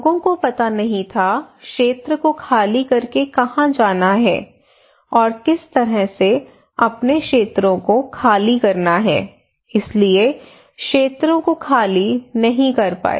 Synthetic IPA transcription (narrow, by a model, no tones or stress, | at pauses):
ɡõkopɐt̪anɐɦĩt̪ʰakʃeːt̪ɾəkokʰaːlikɐɾkekɐɦãd͡ʒaːnaɦɛ̰ː | ɔːɾkɪst̪ɐɾəɦse | ɐpnekʃeːt̪ɾõkokʰaːlikɐɾnaɦɛ̰ː | ɪslie | kʃeːt̪ɾõkokʰaːlinɐɦĩkɐɾpa̰ːḛː